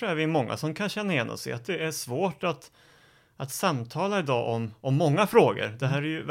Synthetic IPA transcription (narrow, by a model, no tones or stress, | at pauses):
æɾvɪmɔŋːa̰sɔmkʰanɕɛnːajɛnːɔ̰sɛ̰a̰t̪̚d̪ɛæʂvoːʈat̪ | at̪samt̪ʰɑːlaɪd̪ɑ̰ːʔɔmɔmːɔŋːafɾoːɡə̰ɾd̪ɛɦæːɾæɾjɵ